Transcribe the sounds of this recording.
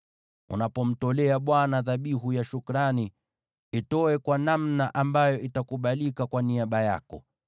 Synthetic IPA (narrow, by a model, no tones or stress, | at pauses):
ṵnapɔm̩tɔlɛaɓwanaðaɓiɦujaʃukɾani | itɔɛkwanamnaʔambajɔʔitakuɓalikakwaniaɓaja̰kɔ̰